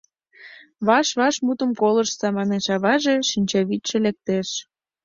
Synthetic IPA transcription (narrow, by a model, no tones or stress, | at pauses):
βɑʃβɑʃmut̪ə̆mkolə̆ʃsɑmɑneʃɑβɑʒeʃinʲt͡ɕɑβit̪ʃelek̚t̪eʃ